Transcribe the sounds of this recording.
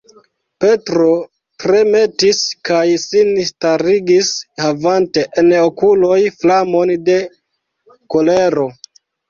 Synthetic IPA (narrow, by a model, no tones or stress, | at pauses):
pe̞tɾo̞ | tɾe̞me̞tiskajsinstaɾiɡishavante̞ʔenokulo̞jflamo̞nde̞ | ko̞le̞ɾo̞